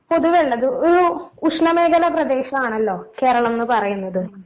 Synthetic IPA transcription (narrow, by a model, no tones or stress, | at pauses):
po̞ðuʋeɭːɐðɨoɾuuʂɳɐmeːɡɐlɐprɐd̪e̞ːɕɐmaːɳɐlːo̞ːke̞ːɾɐɭɐmnːɨpɐrɐjunːɐðɨ